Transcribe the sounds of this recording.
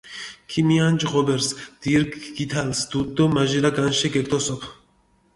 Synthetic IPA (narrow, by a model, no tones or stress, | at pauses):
kʰimiand͡ʒʁɔbeɾsd̪̥iɾɡɡit̪ʰalsd̪ud̪ːɔmaʒilaɡanʃeɡek̚t̪ʰɔsɔpʰ